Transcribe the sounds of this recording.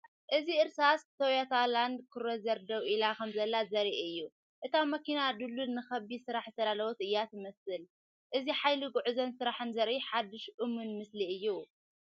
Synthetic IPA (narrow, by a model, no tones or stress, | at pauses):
ʔɨziɨɾsast̪ʰowjat̪ʰaland̪kʰɨɾozɐɾd̪ɐwilakʰɐmzɐlːazɐɾiʔɨjːu | ʔɨt̪ʰamɐkinad̪ɨlːunːɨxɐbisɨɾaħɨsɐlalɐwɔt̪ɨjːat̪ʰɨmɐsɨl | ʔɨziħajliɡuʕuzɐnsɨɾaħɨnzɐɾʔiħad̪ːɨʃʔɨmunmɨsliɨjːu